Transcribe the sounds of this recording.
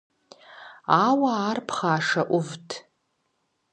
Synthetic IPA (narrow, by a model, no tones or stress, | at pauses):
awaːrpʰχaːʂaʔʷʊvtʰ